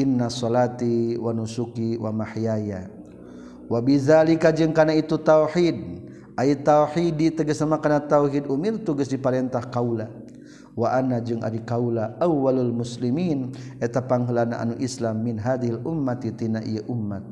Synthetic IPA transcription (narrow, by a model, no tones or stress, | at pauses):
ʔinːasɔlat̪iwanusukiwʔamaħijaja | wabiðalikad͡ʒɨŋkanait̪ut̪awħid̚ | ʔait̪auħidit̪aɡəsamakanat̪awɦid̪umirt̪uɡəsdipaɾɛnt̪ahkawla | waʔanːad͡ʒɨŋʔa̰dikaulaʔawːalalmuslimiːnʔɛt̪apaŋɦəlanaʔa̰nuʔislamːinɦad̪iɦilʔumːat̪it̪inaʔḭjaʔumːat̪̚